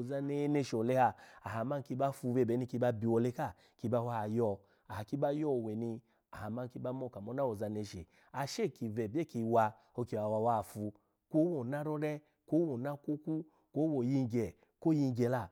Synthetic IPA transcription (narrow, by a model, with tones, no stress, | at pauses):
o˨za˧ne˧˦ne˧ʃo˨le˦ha˧a˨ha˨ma˦n˨ki˧ba˦fu˧ve˧˨be˨˦ni˧˦ki˧ba˧bi˨wɔ˨le˧˦ka˦˨ | ki˧ba˧wa˧˦˨jɔ˧˨ | a˨ha˨ki˦ba˦jɔ˦˨we˨ni˧ | a˨ha˨ma˦nki˧˦ba˦mɔ˦˨ka˨mo˦na˦wo˨za˧ne˧ʃe˨ | a˨ʃe˦˨ki˧vɛ˨be˦˨ki˧wa˧ | o˧ki˧˨wa˨wa˧wa˦˨fu˧ | ko˦wo˨na˦ɾɔ˦ɾɛ˦ | ko˦wo˨na˦ko˦ku˦ | ko˦wo˨ji˧ŋ˨ɡɛ˨ | ko˦ji˧ŋ˦ɡɛ˨la˧˨